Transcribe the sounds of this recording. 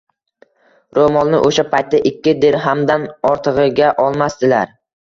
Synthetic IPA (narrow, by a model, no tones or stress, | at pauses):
ɾomɒnnɪ̰ʔoʃapʰajt̪̚ːaʔɪkʲːɪd̪eɾɦamd̪anɒɾt̪ʰɨʁɨɡʲaʔɒlˠmast̪ɪlaɾ